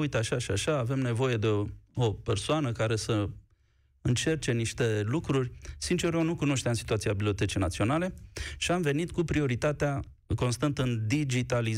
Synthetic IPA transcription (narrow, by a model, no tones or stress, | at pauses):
ujt̪aʃaʃiaʃaːve̞mne̞vo̞je̞d̪e̞o̞pe̞rsoanəkaɾe̞sə | ɨnt͡ʃe̞rt͡ʃe̞niʃt̪e̞lukɾurʲsint͡ʃe̞rjonukuno̞ʃt̪eamsi̥t̪uat̪siabiblio̞t̪e̞t͡ʃejnat̪sio̞nale̞ʃiamve̞nit̪kupɾio̞ɾit̪at̪ea | ko̞nst̪ant̪əɨnd̪id͡ʒit̪aliz